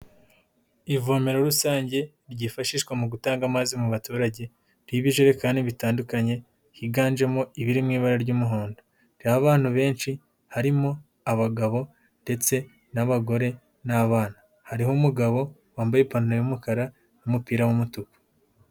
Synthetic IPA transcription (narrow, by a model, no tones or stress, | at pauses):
ivo̞ːme̞ɾo̞ɾusaːɲɟe̞ | ɾɟifaʃiːʃwamuɡutaːŋɡamazimuβatuːɾaɟe̞ | ɾiβiʒeɾekaːndiβitaːndukaɲe̞ | hiɡaːnʒe̞mo̞iβiɾimŋiːβaɾaɾɟuːmuɦo̞ːndo | ɾ̥jaβaːn̥huβe̞ːnt͡ʃi | haɾimo̞ | aβaɡaβo̞ | nde̞t͡se̞ | naβaɡo̞ɾe̞ | naβaːna | haɾiɦomuɡaβo̞ | waːmbajepanuɾeumukaɾa | numupiːɾawumutuku̥